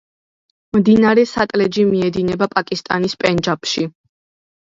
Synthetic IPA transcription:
md̪inaɾɛsat̪ʼlɛd͡ʒimiɛd̪inɛbapʼakʼist̪ʼa̰nispʼɛnd͡ʒapʰʃi

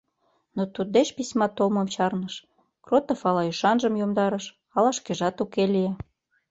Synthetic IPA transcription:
not̪ud̪deʃpisʲmɑt̪oməmt͡ɕɑrnəʃ | krot̪əfɑlɑyʃɑnʒəmjomd̪ɑɾəʃ | ɑlɑʃkeʒɑt̪ukelie

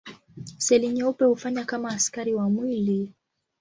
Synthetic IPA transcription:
sɛliɲɛupɛhufaɲakamaːskaɾiwamwili

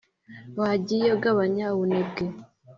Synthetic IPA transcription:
waɟijoɡaβaɲawunebɡe

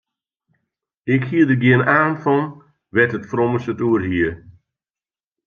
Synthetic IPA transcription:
ɪkhiədəɡiənaːnfɔn | ʋɛtətfrɔməsətuərɦiə

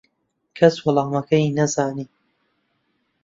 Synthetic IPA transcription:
kʰɐswʊlɑːmɐkʰɐjnɐzaːniː

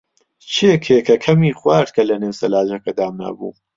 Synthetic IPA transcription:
t͡ʃʰekʰekɐkʰɐmiːχwaːɾt̪̚kʰɐlɐneːwsɐlaːʒɐkɐd̪aːmna̰bṵː

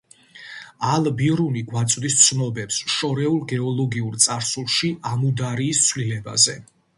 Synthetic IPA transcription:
alˠbiɾuniɡwat̪sʼd̪ist̪sʰnɔbɛpsʃɔɾɛulˠɡɛɔlˠɔɡiuɾt̪sʼaɾsulˠʃiʔamud̪aɾiːst̪sʰwlilɛba̰zɛ

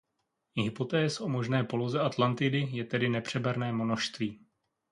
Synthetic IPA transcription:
ɦɪpo̞t̪ɛːsʔo̞mo̞ʒnɛːpo̞lo̞zɛʔat̪lant̪ɪdɪjɛt̪ɛdɪnɛpr̝̥ɛbɛɾnɛːmo̞noʃst̪viː

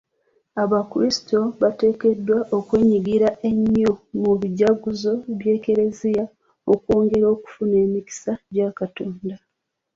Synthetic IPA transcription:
aβakuɾisi̥to̞βate̞ːke̞dːwaʔokwe̞ːɲiɡiɾaʔe̞ɲːomuβiɟaɡuzo̞βje̞ːke̞ɾe̞zija | okwoːŋɡe̞ɾo̞ːku̥fune̞ːmici̥saɟakatoːnda

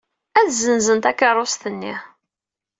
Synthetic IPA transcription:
æθzənzənt̪ækːərˤost̪ənːi

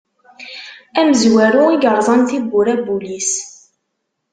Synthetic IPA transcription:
æməzwæɾuiɡəɾˤzˤɑnθibːʊɾæbulis

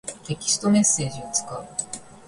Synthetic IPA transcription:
t̪e̞kʲi̥st̪o̞me̞sːe̞ːʑiot͡sɨ̥kaɯ

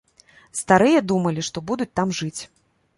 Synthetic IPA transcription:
st̪aɾɨjɐd̪umɐlʲiʂt̪ɔbud̪ut͡sʲt̪amʐɨt͡sʲ

